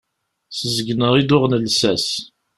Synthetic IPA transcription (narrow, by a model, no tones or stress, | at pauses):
səzəɡnəʁid̪ʊʁnəlsæs